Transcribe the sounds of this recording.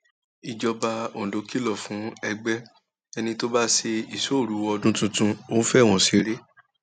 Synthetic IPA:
i˨d͡ʒɔ˧ba˧o˨do˧ki˦lɔ˦˨fũ˨˦ɛ˧ɡ͡bɛ˦ | ɛ˧nĩ˧to˦ba˦se˧i˨so˦˨ɾu˨˦wɔ˧dũ˦tũ˧tũ˧õ˦fɛ˦˨w̃ɔ̃˨si˨˦ɾe˦

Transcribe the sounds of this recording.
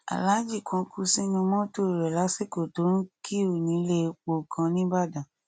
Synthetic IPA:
a̰˨la˨˦d͡ʒi˦˨kʰɔ̃˧˦kʰu˧˦sĩ˦nũ˧mɔ̃˦to˦˨ɾɛ˨la˨˦se˦˨ko˨to˨˦ɾũ˦kʰi˦o˦˨nĩ˨˦le˦˧k͡po˧˨kʰã˧nĩ˦ba˦˨dã˨

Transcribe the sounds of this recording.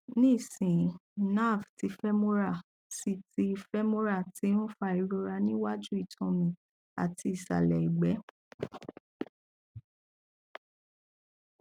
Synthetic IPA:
nĩ˦i˦˨sĩ˨na˦˨fti˧˦fɛ˦mõ˦ɾa˦˨ | si˨ti˧˦˧fɛ˦mõ˦ɾa˦˨ti˨˦nũ˦fa˧i˨ɾo˧ɾa˧nĩ˦wa˦d͡ʒu˦i˦˨tʰɔ̃˧mĩ˧ | a̰˨ti˧i˨sa̰˨lɛ˨i˨ɡ͡bɛ˨˦

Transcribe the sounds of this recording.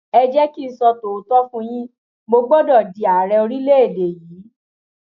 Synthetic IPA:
ɛ˧d͡ʒɛ˦ki˦˨sɔ˧to˨o˨˦tɔ˦fũ˦j̃ĩ˦ | bo˧ɡ͡bɔ˦dɔ˦˨di˨a˨ɾɛ˧o˧ɾi˦le˦e˦˨de˨jiː˨˦

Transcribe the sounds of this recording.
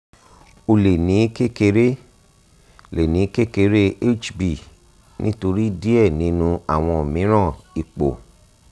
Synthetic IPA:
o˧le˨nĩ˨˦ke˦ke˧ɾe˦ | le˨nĩ˨˦ke˦ke˧ɾe˦e˦t͡ʃbi˨ | nḭ̃˦to˧ɾi˦di˦ɛ˦˨nĩ˨˦nũ˧a˦˨w̃ɔ̃˧o˨mĩ˨˦ɾ̃ã˦˨i˨k͡po̰˨

